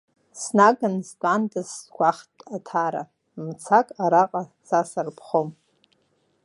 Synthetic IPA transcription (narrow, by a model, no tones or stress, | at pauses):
snaɡanzdʼandɨzɡʷaχtʼatʰaɾa̰ | mt͡sʰakʼaɾaqʼa | sasarpʰχom